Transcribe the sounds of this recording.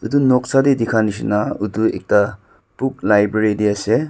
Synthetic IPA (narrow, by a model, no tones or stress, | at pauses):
udunɔk̚sadidikʰanis̬inauduḛk̚ta | puk̚lajbɾeɾidiase